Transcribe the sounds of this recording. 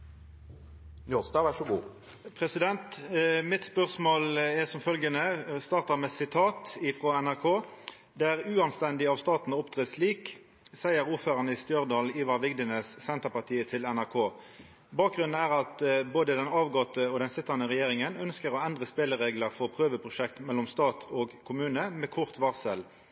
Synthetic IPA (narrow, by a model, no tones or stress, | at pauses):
njuːʁsd̪ɑːʋæʂɔɡṵː | pʰʁɛsɪd̪ɛnt̪mɪt̪spœʁsmoːlɛsɔmfœlɡənəst̪ɑʁt̪ɑmɛsɪt̪ʰɑːt̪ɪfʁɔɛnæʁkʰoː | d̪æʁʉːɑnst̪ɛnd̪ɪɑʋst̪ɑːt̪n̩ʊpt̪ʁeːsliːk | sæɪəʁuːføːɾɑnəɪst̪jœʁd̪ɑːliːʋɑʋɪɡd̪ənəssɛnt̪əʁpɑʁt̪ʰiːət̪ʰɪlɛnæʁkʰoː | bɑːk̚ɡʁʉn̩æːʁɑt̪boːd̪əd̪ɛnɑːʋɡɔt̪əɔd̪ɛnsɪt̪ːɑnəʁɛjeːʁɪŋənœnskəʁɔɛnd̪ʁəspeːləʁeːɡləʁfɔʁpʰʁøːʋəpʰʁʊʃɛkt̪mɛlːɔmst̪ɑːt̪ʰoːɡkʰʊmʉːnəmɛːkʰʊʁt̪ʋɑʁsəl